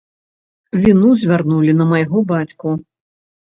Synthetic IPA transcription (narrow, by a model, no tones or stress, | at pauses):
vʲinuzʲvʲarnulʲinɐmajɣɔbat͡sʲku